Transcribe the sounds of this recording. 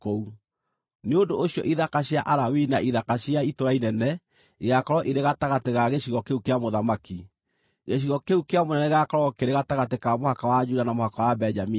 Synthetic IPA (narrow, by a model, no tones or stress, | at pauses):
kou | neondooɕiɔ̰ʔiðakaɕjaʔaɾawinaʔiðakaɕiaitoɾainɛnɛ | iɣakɔɾɔʔiɾeɣataɣateɣaɣeɕiɣɔkeukeamoðamaki | ɣeɕ̬iɣɔkeukeamonɛnɛiɣakɔɾɔkeɾeɣataɣatekamohakawad͡ʒudanamohakawabɛd͡ʒami